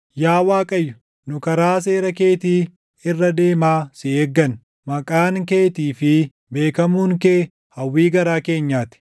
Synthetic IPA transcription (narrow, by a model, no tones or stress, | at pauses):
jaːwaːkʼɐjːʊ̥ | nʊkɐɾaːs̬e̞ːɾɐkeːt̪iː | ɪrːɐd̪e̞ːmaːsɪeːɡːɐn | mɐkʼaːŋke̞ːt̪iːfɪ | be̞ːkɐmuːŋkeː | hɐwːiːɡɐɾaːke̞ːɲːaːt̪ɪ̥